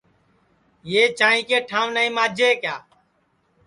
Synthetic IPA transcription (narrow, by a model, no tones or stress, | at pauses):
jeːt͡ʃãːĩːkeːʈʰãːʋnaːĩːmãːd͡ʒeːkjaː